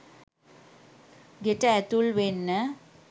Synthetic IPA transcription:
ɡeʈəæt̪ulʋenːə

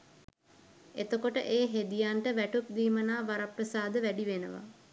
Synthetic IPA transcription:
et̪əkoʈəʔeːɦed̪ijaɳʈəʋæʈup̚d̪iːmənaːʋaɾaprəsaːd̪əʋæɖiʋenə̰ʋa̰

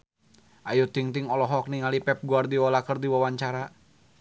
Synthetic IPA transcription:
ʔajut̪iŋt̪iŋɔlɔɦɔk̚niŋalipɛp̚ɡuardiɔlakərdiwawaɲt͡ʃaɾa

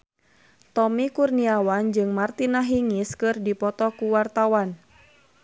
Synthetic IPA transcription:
t̪ɔmikurniawand͡ʒɨŋmart̪inaɦiŋiskɨrdipɔt̪ɔkuwart̪awan

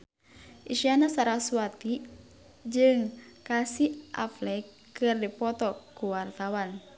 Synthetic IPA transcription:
ʔiʃianasaɾaswat̪i | d͡ʒɨŋkasiʔa̰flɛk | ɨrdipɔt̪ɔkuwart̪awan

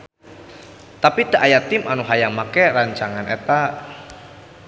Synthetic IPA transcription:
t̪apid̪̥aʔajat̪ɪmanuɦajaŋmakɛraɲt͡ʃaŋanet̪aʔ

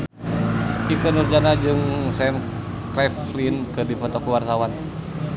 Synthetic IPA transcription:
ikənurd͡ʒanad͡ʒɨŋsɛn | kɾɛflinkɨdipɔt̪ɔkuwart̪awan

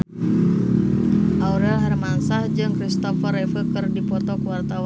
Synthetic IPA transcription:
ʔauɾɛlɦarmansahd͡ʒɨŋkɾist̪ɔfərɛfəkərdipɔrt̪ɔkuwart̪awa

